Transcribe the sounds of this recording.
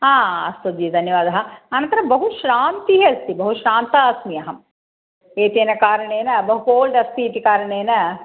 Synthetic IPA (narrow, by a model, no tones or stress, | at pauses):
ɦãːɐst̪ɐd̪id̪ʱɐnjɐʋaːd̪ɐɦɐɐnɐ̃nt̪ɐɾɐmbɐɦuʃɾaːnt̪iɦeɐst̪ibɐɦuʃɾaːnt̪aɐsmijɐɦɐm | eːt̪eːnɐkaːɾɐɳeːnɐbɐɦukoːlɖɐst̪iːt̪ikaːɾɐɳeːnɐ